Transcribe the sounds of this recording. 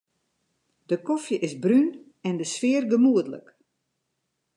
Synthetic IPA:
d̥əkɔfjəʔɪsbryn | ɛndəsfɪərɡəmuədələ̰k

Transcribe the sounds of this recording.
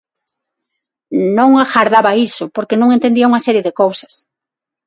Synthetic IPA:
nõŋaxaɾðaβaisʊpoɾkenõŋẽnt̪end̪iauŋasɛɾjeðekowsɐ̥s

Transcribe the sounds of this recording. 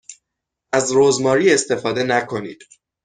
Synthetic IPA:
æzɾoːzmɒːɾiːe̞st̪e̞fɒːd̪e̞nækʰo̞nḭːd̪̥

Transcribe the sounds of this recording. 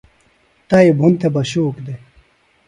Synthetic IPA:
t̪ɐibʱunt̪ʰebɐɕuːkd̪e

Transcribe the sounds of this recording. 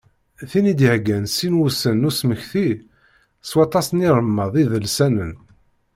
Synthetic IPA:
θinid̪hɡænsinwusənːusməçθi | swɑt̪ˤɑsniɾˤmːəðˤiðəlsænən

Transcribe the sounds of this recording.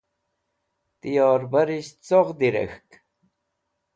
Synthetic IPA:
t̪ijɔːɾbaɾiɕt͡soʁd̪iɾḛxk

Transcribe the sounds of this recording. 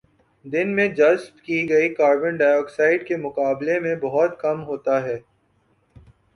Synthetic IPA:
d̪ɪnmẽd͡ʒɐzpkiɡɐikaːɾbə̃nɖaːjɔːksaːɪɖkemʊqaːblemẽbɐɦɔt̪kɐmɦoːt̪aɦɛː

